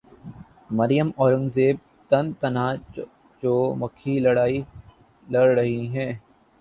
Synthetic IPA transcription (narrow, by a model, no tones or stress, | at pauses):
mɐɾɪjəmɔːɾə̃ŋɡzeːb̚ | t̪ɐnt̪ɐnaː | d͡ʒoːmɐkʰːilɐɽaːi | lɐɽɾɐɦiɦɛ̃ː